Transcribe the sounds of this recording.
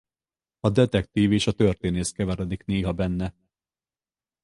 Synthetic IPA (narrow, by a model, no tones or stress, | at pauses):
ɒd̪ɛt̪ɛkt̪iːveːʃɒt̪ørt̪eːneːskɛvɛɾɛd̪ikneːɦɒbɛnːɛ